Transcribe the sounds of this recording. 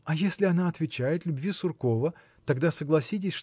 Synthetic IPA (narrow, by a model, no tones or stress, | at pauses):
ɐjesʲlʲɪɐnaɐt̪vʲɪt͡ɕæjɪt̪lʲʊbvʲisʊrko̞və | t̪ɐɡd̪asəɡlˠɐsʲit̬ʲɪsʲʂ